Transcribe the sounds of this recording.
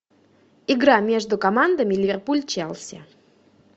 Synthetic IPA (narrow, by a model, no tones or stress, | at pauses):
ɪɡɾamʲe̞ʐd̪ʊkɐmand̪əmʲɪlʲɪvʲerpulʲt͡ɕalˠsʲə̰